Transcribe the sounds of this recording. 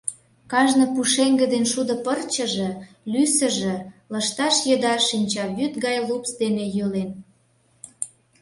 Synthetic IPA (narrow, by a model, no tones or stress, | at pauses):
kɑʒnɤ̆puʃeŋɡə̆d̪enʃud̪ə̆pərt͡ɕə̆ʒĕ | lysə̆ʒĕləʃt̪ɑʃjə̆d̪ɑʃːinʲt͡ɕɑβyt̪ɡɑjlupsd̪enejølen